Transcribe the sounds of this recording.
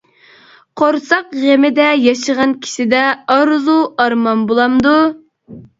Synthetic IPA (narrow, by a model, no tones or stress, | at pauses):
qʰoɾsɑqʁemɪd̪ɛjɑʃəʁɑnkʲʰi̥ʃɪd̪ɛɑɾzuɑɾmɑnbolˠɑmd̪u